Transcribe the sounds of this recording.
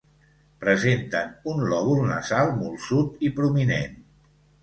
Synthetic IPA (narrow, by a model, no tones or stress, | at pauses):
pɾəzent̪ənunlɔβulˠnə̰zalˠmulˠsut̪ipɾuminḛn